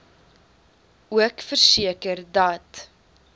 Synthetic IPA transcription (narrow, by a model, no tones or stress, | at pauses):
uəkfərsiəkərdɐt